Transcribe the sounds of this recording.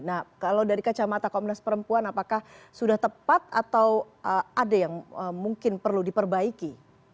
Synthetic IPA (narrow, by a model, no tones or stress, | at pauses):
nakalawdaɾikat͡ʃamat̪akomnɛspəɾəmpuanapakahsudaht̪əpat̪̚a̰t̪aw | əadajaŋəmuŋkɪnpərludipərbaiki